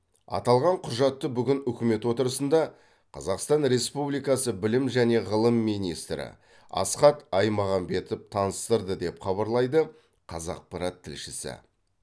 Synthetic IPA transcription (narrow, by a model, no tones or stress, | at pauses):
ɑ̰t̪ɑlˠʁɑɴqʰʊʒɑt̪ːəbʏɡʲɪnʏkʲɪme̞t̪wo̞t̪əɾəsənd̪ɑ | qʰɑzɑqst̪ɑnɾe̞spublijkɑsəbɪlɪmʒæne̞ʁəlˠəmːijnijst̪ɾɪ̰ | ɑ̰sqɑt̪ɑjmɑʁɑmbe̞t̪ɪp̚t̪ʰɑnəst̪əɾd̪əd̪e̞pχɑβɑɾlˠɑjd̪ə | qʰɑzɑ̰q̚pʰɑɾɑt̪ʰːɪlʃɪsɪ̰